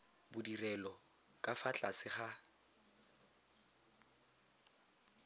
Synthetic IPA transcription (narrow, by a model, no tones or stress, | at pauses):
bʊdirɛlɔ | kʼafat͡ɬʼasɪχa